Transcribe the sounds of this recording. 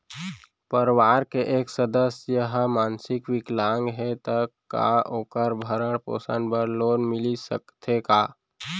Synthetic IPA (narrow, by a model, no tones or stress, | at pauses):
pəɾwaːɾkeʔeːksəd̪əsjəɦmaːnsɪkʋɪklaːŋɡɦɛt̪əkːa̰oːkəɾbʱəɾəɽpo̰ːsa̰nbəɾloːnmɪlisə̰kt̪ʰekaː